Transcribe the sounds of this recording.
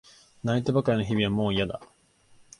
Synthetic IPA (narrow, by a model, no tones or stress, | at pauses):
nait̪ebakaɾʲino̞çibʲiβamo̞ːijad̪a̰